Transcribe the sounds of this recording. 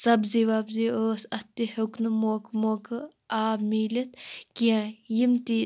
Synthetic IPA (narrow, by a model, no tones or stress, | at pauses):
sɐbziʋaːbzioːsɐt̪ihʊknɨmoːkmoːkɨ | aːbmiːlit̪̚kiãjimt̪i